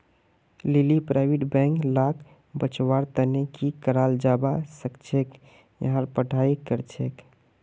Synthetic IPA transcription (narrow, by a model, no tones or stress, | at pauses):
lilipɾaɪbiʈbɛ̃ŋklakʰ | bət͡ʃwaɾt̪ənekikəɾald͡ʒabasəkt͡ʃʰek | jə̰ɦãɾpəʈaikəɾt͡ʃʰek